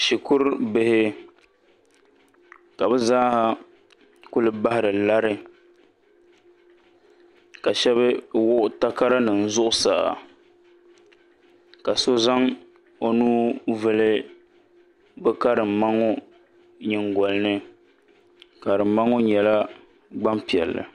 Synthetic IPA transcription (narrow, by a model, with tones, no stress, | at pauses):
ʃi˨ku˦ɾbɪ˦hɪ˦ | ka˨bɛ˦zaː˦ha˦ | kʊ˦lɨ˦ba˦hɪ˨ɾɨ˨la˦ɾɨ˦ | ka˨ʃɛ˦βɨ˦wʊ˦ʔʊ˦ta˦ka˦ɾa˦nɨ˨n̩˦zʊ˦ʔʊ˦sa̰ː˨ | ka˨so˦za˦ŋ | o˦nuː˦vɨ˦lɨ˦ | bɛ˦ka˦ɾɨ˨m̩˨ma˦ŋo˦ | ɲi˨ŋɡɔ˨lɨ˦nɨ˦ | ka˨ɾɨ˨m˦ma˦ŋo˦ɲɛ˨la˦ | ɡ͡ba˦mpi˨ɛ̰˨lːɨ̰˨